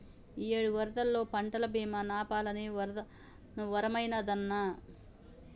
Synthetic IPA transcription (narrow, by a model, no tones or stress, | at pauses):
ijeːɽuʋɐɾɐd̪ɐlːo̞ːpɐɳʈɐlɐbiːmɐnaːpaːlɐniʋɐɾd̪ɐ | ʋɐɾɐmɐjnɐd̪ɐnːɐ